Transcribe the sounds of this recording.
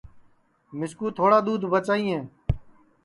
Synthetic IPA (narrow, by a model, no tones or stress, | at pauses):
mɪskuːt̪ʰoːɽaːd̪uːd̪ʱbət͡ʃaːĩːɦẽː